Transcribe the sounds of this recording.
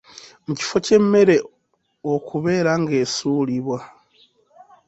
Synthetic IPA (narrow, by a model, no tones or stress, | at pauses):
muci̥fo̞ce̞mːe̞ɾe̞ | okuβe̞ːɾaŋɡe̞suːliβwa